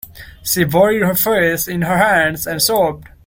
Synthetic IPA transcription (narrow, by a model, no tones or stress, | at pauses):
ʃivɔɹid̚hə˞feɪsɪ̃nɦə˞hæ̃nzæ̃nsɔb̚d̥